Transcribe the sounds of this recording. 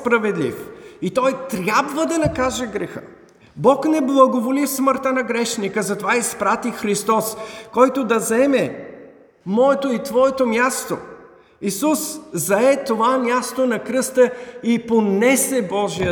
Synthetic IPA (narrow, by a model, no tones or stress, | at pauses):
spɾɐvɛd̪lḭfit̪ɔjt̪ɾʲjabvəd̪ɐnɐkaʒɛɡɾɛxə̰ | bɔknɛblˠɐɡovolifsməɾt̪ənɐɡɾɛʃnikəzɐt̪ovaispɾat̪ixɾist̪ɔskɔjt̪od̪ɐzɛmɛ | mɔɛt̪oit̪vɔɛt̪omʲjast̪o | isuszɐɛt̪ovamʲjast̪onɐkɾɤst̪əiponɛsɛbɔʒiə